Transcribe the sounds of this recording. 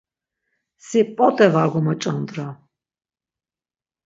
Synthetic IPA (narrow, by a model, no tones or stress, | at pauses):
sipʼɔt̪ʼɛvaɡɔmɔt͡ʃʼɔnd̪ɾa